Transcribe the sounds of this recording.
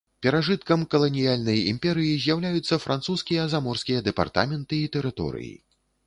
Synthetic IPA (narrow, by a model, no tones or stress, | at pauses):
pʲɛɾaʐɨt̪kɐmkɐlˠɐnʲijalʲnɐjḭmʲpʲɛɾɨjizʲjawlʲajut̪sːɐfɾʔant̪suskʲijɐzamɔrskʲijɐd̪ɛpa̰rt̪a̰mʲɛnt̪ɨit̪ɛɾɨt̪ɔ̰ɾɨ̰jḭ